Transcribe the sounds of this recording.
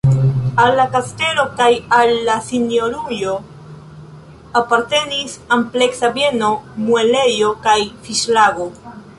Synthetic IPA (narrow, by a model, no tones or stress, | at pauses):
alːakaste̞lo̞kajalːasinjo̞ɾujo̞ | apaɾte̞nisample̞ksabe̞no̞mue̞le̞jo̞kajfiʃlaɡo̞